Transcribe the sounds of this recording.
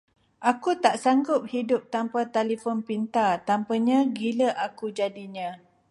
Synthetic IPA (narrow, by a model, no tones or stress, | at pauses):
ʔakut̪aʔsaŋɡʊp̚hidʊp̚t̪ampat̪alifɔnpint̪at̪ampaɲãɡiləʔakud͡ʒadiɲã